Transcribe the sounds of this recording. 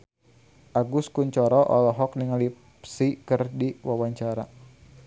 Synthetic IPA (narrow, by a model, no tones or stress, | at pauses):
ʔaɡuskuɲt͡ʃɔɾɔʔɔlɔɦɔkniŋali | sikərdiwawaɲt͡ʃaɾa̰